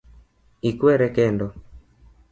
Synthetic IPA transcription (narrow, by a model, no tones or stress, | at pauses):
ikwɛɾɛkɛndɔ